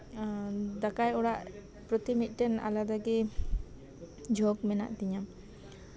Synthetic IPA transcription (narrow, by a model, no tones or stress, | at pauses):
d̪akajɔɽaʔ | pɾɔt̪imit̪̚ˀʈɛna̰lad̪aɡɛ | d͡ʒʱɔɡmɛna̰ʔt̪iɲam